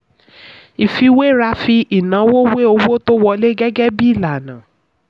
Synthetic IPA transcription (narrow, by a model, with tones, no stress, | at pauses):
i˨fi˧we˦ɾa˧˦fi˧ʔi˨nã˨˦wo˦we˦o˧wo˦to˦wɔ˧le˦ɡɛ˦ɡɛ˦bi˦˨la˨nã˨